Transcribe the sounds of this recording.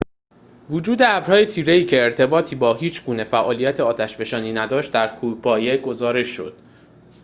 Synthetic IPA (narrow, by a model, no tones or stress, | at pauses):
vud͡ʒuːd̪eæbɾ̥hɒːje̞t̪ʰiːɾe̞iːcʰe̞ːɾt̪ʰe̞bɒːt̪ʰiːbɒːɦiːt͡ʃʰɡuːne̞fæʔɒːlijæt̪ʰeɒːt̪ʰæʃbe̞ʃɒːniːnæd̪ɒːʃt̪̚d̪æɾkʰuːpʰɒːjeɡo̞zɒːɾe̞ʃːo̞̰d̪̥